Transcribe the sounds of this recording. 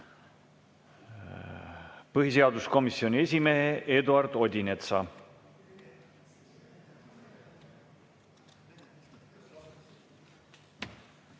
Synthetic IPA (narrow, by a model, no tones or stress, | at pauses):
pɤɦise̞ɑd̪usko̞misːio̞nʲie̞s̬ʲime̞ɦeʔe̞d̪uɑrd̪̥o̞d̪ʲinet̪sɑ̰